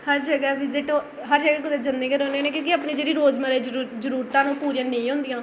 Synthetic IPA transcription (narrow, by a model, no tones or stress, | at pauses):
həɾd͡ʒəɡɛːʋɪzɪʈõː | ɦəɾd͡ʒəɡɛːkʊd̪ed͡ʒənd̪eːkəɾoːneːnẽːk̬jõːkɪaːpneːd͡ʒeːɾiːɾoːzməɾeɾːd͡ʒəɾuːɾt̪ãːnũːpuːɾjãːneĩːɦõːnd̪ijãː